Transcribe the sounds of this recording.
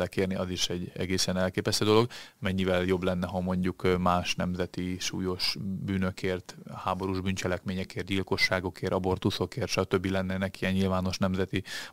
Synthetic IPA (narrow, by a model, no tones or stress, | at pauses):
lɛkeːrniʔɒziʃɛɟɛ̰ɡeːsɛnɛlkeːpɛst̪øːd̪o̞lo̞ɡmɛɲːivɛljo̞blɛnːɛɦɒmo̞ɲɟukmaːʃnɛmzɛt̪iʃṵːjo̞ʃbyːnøkʰeːrt̪haːbo̞ɾuʒbyːnt͡ʃɛlɛkmeːɲɛkeːrt̪ɟilko̞ʃːaːɡo̞keːɾʔɒbo̞rt̪uso̞keːrt̪ʃɒt̪øbːilɛnːɛnɛkijɛɲɲilvaːno̞ʃnɛmzɛt̪i